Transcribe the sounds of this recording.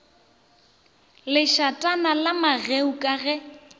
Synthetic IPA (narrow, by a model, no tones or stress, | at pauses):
lɪʃatʼanalamaɣeukʼaɣɛ